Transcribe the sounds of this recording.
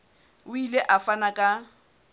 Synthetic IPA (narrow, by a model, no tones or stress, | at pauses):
ʊileʔafanakʼa